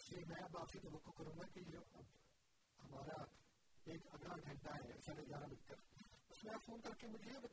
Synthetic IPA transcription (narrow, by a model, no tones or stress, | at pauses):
semɛ̃ːbaːbsit̪ɐʋɐkːokɐɾũːɡakijoʔɐb | hɐmaːɾa | eːkɐɡɽaɡʱɐ̃ɳʈaɦɛsaːnẽd͡ʒaːɾamɪlk̪əɾpɐsmɛ̃ːfoːnkɐɾkemʊd͡ʒʱeb